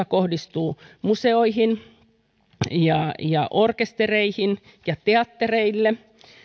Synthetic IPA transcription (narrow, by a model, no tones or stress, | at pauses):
ɑkohdist̪uːmuseoihin | jɑjɑ̰ʔorkest̪ereihin | jɑt̪eɑt̪ːereilːe